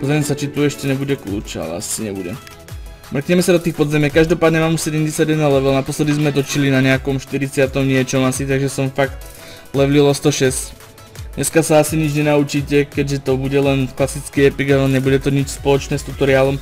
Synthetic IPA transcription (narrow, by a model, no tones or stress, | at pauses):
pɔzɾɛmɛsat͡ʃit̪uɛʃcɛɲɛbuɟɛklṵːt͡ʃa̰lɛ̰a̰siɲɛbuɟɛ̰ | mr̩kɲɛmɛsad̪ɔt̪iːxpɔd̪zɛmjɛkaʒd̪ɔpaːd̪ɲɛmaːmusɛɟɛmɟɛsjaɟjɛd̪nalɛʋɛlnapɔslɛd̪izmɛt̪ɔt͡ʃilinaɲɛakɔmʃt̪iɾit͡sɪat̪ɔmɲɪɛt͡ʃɔmasit̪aɡʒɛsɔmfakt̪ | lɛʋlilɔst̪ɔʃɛsc | ɲʔɛskasaasiɲid͡ʒɲɛnaut͡ʃiːcɛkɛɟʒɛt̪ɔbuɟɛlɛnklasit͡skiːɛpiɡalɛɲɛbuɟɛt̪ɔɲit͡ʃspɔlɔt͡ʃnɛːst̪ut̪ɔɾiaːlɔm